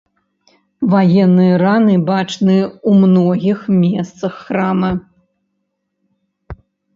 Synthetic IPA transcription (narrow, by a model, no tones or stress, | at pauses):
vajɛnːɨjɐɾanɨbat͡ʂnɨumnɔɣʲixmʲɛst̪sɐxːɾamɐ